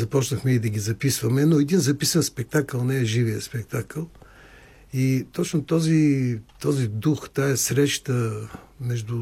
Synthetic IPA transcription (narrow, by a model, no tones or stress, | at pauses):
zɐpɔt͡ʃnəxmɛid̪ɐɡʲizɐpisvɐmɛnoɛd̪inzɐpisɐnspɛk̚t̪akəlˠnɛɛʒivijəspɛk̚t̪akəlˠ | it̪ɔt͡ʃnot̪ɔzit̪ɔzid̪uxt̪aɛsɾɛʃt̪ə | mɛʒd̪ʊ